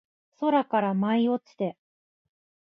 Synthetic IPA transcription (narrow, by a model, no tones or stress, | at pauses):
so̞ɾakaɾamaio̞t͡sɨ̥t̪e̞